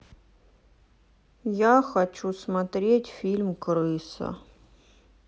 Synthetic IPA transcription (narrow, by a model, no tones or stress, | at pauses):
jaxɐt͡ʃusmɐt̪ɾʲɛtʲfʲilʲmkɾɪsɐ̰